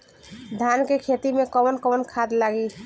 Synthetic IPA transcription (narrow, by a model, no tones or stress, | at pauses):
d̪ʱankekʰet̪imekɔbənkɔbənkʰad̪laɡi